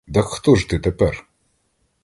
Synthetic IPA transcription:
d̪ɐxt̪ɔʐt̪ɨt̪ɛpɛr

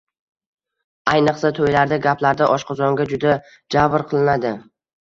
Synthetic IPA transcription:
ajnɨqsat̪ʰojlaɾd̪aɡʲapʰlaɾd̪aʔɒʃqʰɑzɒŋɡʲad͡ʒʊd̪a | d͡ʒavɾqʰɨlˠɪnad̪ɪ

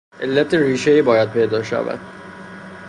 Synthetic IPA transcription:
ʔelːæt̪ʰeɾiːʃeiːbɒːjæd̪̚pʰe̞jd̪ɒːʃæ̰væ̰d̪̥

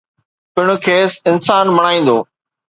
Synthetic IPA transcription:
pɪɽ̃ʊ̆kʰeːsɪnsaːnmɐɽ̃aːĩːn̆d̪oː

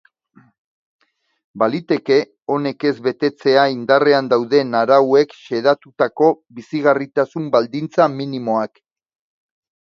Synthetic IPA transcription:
balit̪e̞ke̞ | o̞ne̞ke̞zβe̞t̪e̞t͡se̞aind̪are̞and̪awðe̞naɾawe̞kʃe̞ðat̪ut̪ako̞βisiɣ̞arit̪asumbald̪int͡saminimo̞ak

